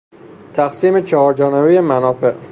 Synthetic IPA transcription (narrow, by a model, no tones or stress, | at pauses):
t̪ʰæxsiːmet͡ʃʰɒhɒːɾd͡ʒɒːnebejemænɒːfe̞ʔ